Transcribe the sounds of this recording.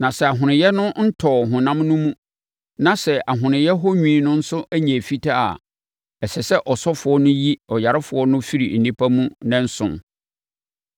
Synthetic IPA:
nã˨sɛ˨a˨ɦʊ̃˨nɪ̃˨jɛ˦nʊ̃˦n̩˦tʰɔː˨ɦʊ̃˨nã˦mnʊ̃˦mũ˦ | nã˨sɛ˨ʔa˨ɦʊ̃˨nɪ̃˨jɛ˦ɦɔ˦ɲᶣĩ˦nʊ̃˦n̩˦sʊ˦ʔæ˦ɲɛ̃˨fi˦tʰa˦a̰˨ | ɛ˨sɛ˨sɛ˦ʔɔ˨sɔ˦fʊ˨ɔ˦nʊ̃˦ji˦ɔ˨ja˨ɾɪ˦fʊ˨ɔ˦nʊ̃˦fi˦ɾḭ˨n̩˨nĩ˦pʰa˦mũ˦nɛ̃˦n̩˦sʊ̰̃˨n

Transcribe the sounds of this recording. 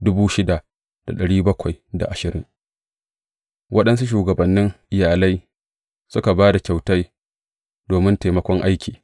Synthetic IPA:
dʊ˦buː˦ʃɪ˦da˨ | d̥a̰˨ɗɐ˨ɽiː˦bɐ˦kʷa˨jda̰˨ʔa˨ʃɪ˨ɾɪ̰˦ŋ | wʔɐ˦ɗɐ˦nsu˦ʃ̬uː˨ɡɐ˨bɐ˨nːɪ˦ŋʔɪ˨jaː˨la˦j | sʊ˦ka˨baː˦da˨kʲa˨wta˦j | doː˨mɪ˦nta˨jmɐ˦kʷɔ˦ŋʔa˦jkʲiː˨

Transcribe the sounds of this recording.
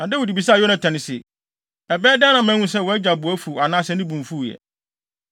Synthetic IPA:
nã˨dɛ˦wo˨di˨bi˨sa˦˨jɔ˦nã˨tʰã˨nɪ̃˨sɪ˨ | ɛ˨bɛː˦dɪ˦a˦nã˨mɛ̃˦ŋũ˦s̬ɛ˦˨wɔ˨˦ɛ˦d͡ʑa˨bʊ˨æ˦fu˨a˨nãː˦sɛ˦nĩ˦bũ˨ɱ˨fu˦˨jɛ̰˨

